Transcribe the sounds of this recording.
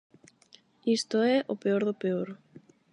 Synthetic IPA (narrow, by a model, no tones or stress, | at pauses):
ist̪oɛʔopeoɾðopeoɾ